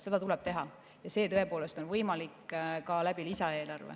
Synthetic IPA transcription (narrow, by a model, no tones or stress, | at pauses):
se̞d̪ɑt̪uleb̥̚t̪e̞ɦɑ | jɑse̞ːt̪ɤe̞po̞ːle̞st̪o̞nvɤjmɑlikːkɑlæb̥ilisɑe̞ːlɑrvḛ